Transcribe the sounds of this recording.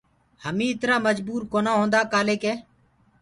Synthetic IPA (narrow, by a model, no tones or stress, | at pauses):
həmĩːɪt̪ɾaːməd͡ʒbuːɾkoːnaːɦõːnd̪aːkaːleːkeː